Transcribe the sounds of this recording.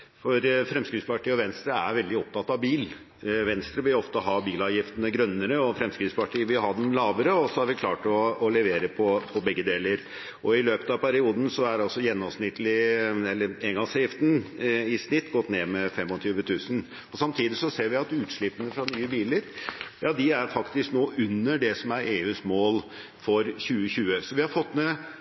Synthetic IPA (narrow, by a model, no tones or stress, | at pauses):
fɔɾfɾɛmskɾɪt̪spɑʈʰiːɔʋɛnst̪ɾəæ̰ɾʋɛld̪ɪɔp̚t̪ʰɑt̪ːɑʋbiːl | ʋɛnst̪ɾəʋɪlɔft̪əɦɑbiːlɑːʋjɪft̪ənəɡɾœnːəɾəɔfɾɛmskɾɪt̪spɑʈʰiːʋɪhɑd̪ɛmlɑːʋəɾəɔsɔhɑɾʋɪkʰlɑːʈɔːlɛʋeːɾəpʰɔpʰɔbɛɡːəd̪eːləɾ | ʔɔɪløːpət̪ɑʋpʰæɾɪuːd̪n̩sɔæɾɑlsɔjɛnːɔmsnɪt̪ːəlɪɛlːəɾeɡɑsjɪft̪n̩ɪsnɪt̪ːɡɔt̪ːneːmɛfɛmːɔt̪ʰyːʋət̪ʰʉːsən | ɔsɑmt̪ʰiːd̪ɪsɔseːɾʋɪɑt̪ʉːt̪ʂɭɪpːənəfɾɑnyːəbiːləɾjɑːd̪ɪæɾfɑkt̪ɪsknoːʔʉnːəɖɛsɔmæɾʔeːʉːsmoːl | fɔɾçʉːəçʉːəsɔʋɪhɑɾfɔt̪ːnɛ